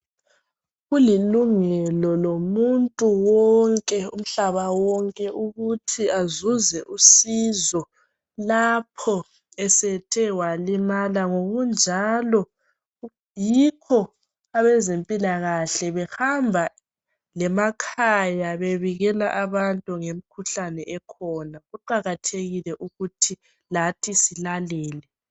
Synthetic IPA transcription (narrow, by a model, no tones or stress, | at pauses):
ɣuliluŋɛlɔlomuntʼuwɔŋkʼɛum̩ɬaβawɔŋkʼɛʔuɣutʰiazuzɛʔusizɔ | lapʰɔ | ɛsɛtʰɛwalimalaŋoɣund͡ʒʱalɔ | jikʰɔ | aβɛzempʼilaɣaɬɛβɛhambʱa | lɛmakʰajaβeβiɣɛla̰ʔaβantʼuŋem̩kʰuɬanɛʔɛkʰɔnaɣuǃaɣatʰeɣilɛʔuɣutʰi | latʰisilalɛːlɛ